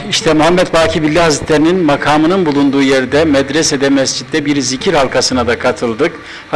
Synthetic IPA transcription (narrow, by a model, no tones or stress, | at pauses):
iʃt̪ʰɛmuɦamːɛt̪baːcʰibilʲːɛɦazit̪lʲeɾininmakʰaːmɯnɯnbulˠund̪uːjeɾid̪ɛmɛd̪ɾɛsɛd̪ɛmɛsd͡ʒit̪ːɛbiɾzicʰiɾhalˠkʰasɯnad̪akʰat̪ʰɯlˠd̪ɯk | h